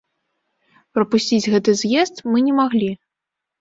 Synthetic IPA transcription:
pɾɐpusʲt͡sʲid͡zʲɣɛt̪ɨzʲjɛst̪mɨnʲɛmaɣlʲi

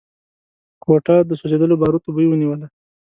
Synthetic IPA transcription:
kwoʈɑd̪əsozed̪əlobɑɾut̪obəjwəniwəla

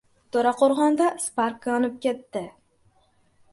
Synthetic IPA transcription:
t̪ʰoɾaqʰoɾʁɒnd̪aspaɾkaɒnɪp̚kʲet̪ːɪ

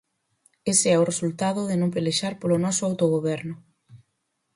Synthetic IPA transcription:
eseɛʊresult̪aðʊðɪnõmpeleʃaɾpolʊnɔsʊawt̪oɣ̞oβɛɾnʊ

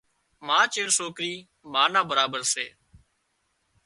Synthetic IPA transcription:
mãːt͡ʃeːɾsoːkɾiː | maːnãːbəɾaːbəɾseː

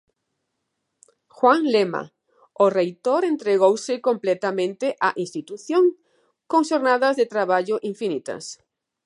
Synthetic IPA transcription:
xwaŋlema̰ | orejt̪oɾent̪ɾeɣ̞owsɪkõmplet̪amẽnt̪eʔaʔĩnst̪it̪uθjõŋ | koŋʃoɾnaðazðet̪ɾaβ̞aʎoʔiɱfinit̪a̰s

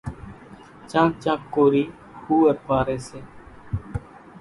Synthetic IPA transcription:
t͡ʃãːt͡ʃãːkːoːɾiː | huːəɾpaːɾeːseː

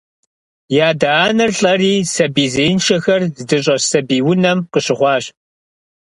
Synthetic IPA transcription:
jaːdaːnɨrɬʼɐriːsɐbiːzeːnʃʰɐxɐrzɨdɨɕʼɐsɐbiːwʊnɐmqəɕɪχʷɑːɕʼ

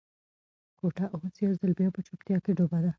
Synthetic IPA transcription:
koʈaʔwosjawzəlbjɑpət͡ʃop̚t̪jɑkeɖobad̪a

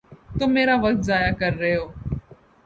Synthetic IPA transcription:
t̪ommːeːɾaːʋək̚t̪̚zaːjaːkəɾːəoː

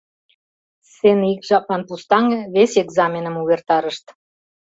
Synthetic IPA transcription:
senikʒɑpmɑnpust̪ɑŋəβeseɡzɑmʲenə̆muβert̪ɑɾəʃt̪

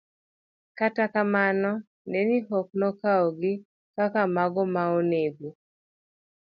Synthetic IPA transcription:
katakamanɔ | neniɦɔk̚nɔkaɔɡɪ | kakamaɡɔmaoneɡu

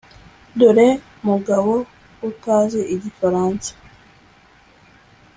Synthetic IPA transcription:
duɾe | muɡaβo | utaːzeʔiɟifaɾaːnsḁ

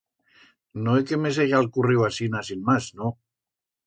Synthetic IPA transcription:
noekemezeʒalkuriwasinasinmasno

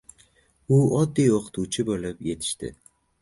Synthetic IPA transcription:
ʊɒd̪ːijoqʰɨ̥t̪ʰut͡ʃʰɪbolɪpje̞t̪ʰɪ̥ʃt̪ɪ̰

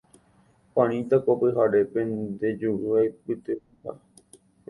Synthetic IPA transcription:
pãɾ̃ĩt̪akopɨɦaɾe̞pẽnd̪e̞d͡ʒuʔɨajpɨt̪ɨ | pa̰

